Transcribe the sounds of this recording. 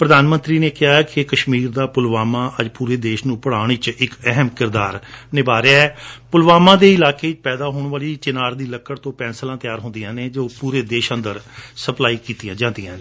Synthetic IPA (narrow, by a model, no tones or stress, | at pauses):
pɾəd̪aːnmə̃nt̪ɾiːneːkɪɦaːɛːkɪkəʃmiːɾd̪aːpʊlʋaːmãːʔəd͡ʒpuːɾeːd̪eːʃnũːpəɽaːɳ̃ɪt͡ʃɪkɛɦəmkɪɾd̪aːɾnɪbaːɾeaɛːpʊlʋaːmãːd̪eːɪlaːkeːɪt͡ʃpɛːd̪aːɦoːɳʋaːliːt͡ʃɪnaːɾd̪iːləkːəɽt̪õːpɛ̃ːnsəlãːt̪ɪjaːɾɦʊ̃nd̪ijãːneːd͡ʒoːpuːɾeːd̪eːʃənd̪əɾsəplaːiːkiːt̪ijãːd͡ʒãːnd̪ɪjãːnː